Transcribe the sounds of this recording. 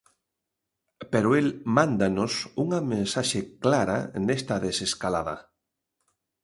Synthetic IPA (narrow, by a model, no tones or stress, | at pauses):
peɾʊelmãnd̪anʊsuŋɐmẽnsaʃeklaɾa̰nest̪ɐðeseskala̰ðɐ̰